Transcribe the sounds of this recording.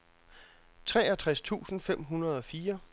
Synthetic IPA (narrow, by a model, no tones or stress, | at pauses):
t͡sʰʁɛːɐt͡sʰʁast͡sʰṵːsn̩fem̰ɦunɐð̞ˠɒ̽fiːɐ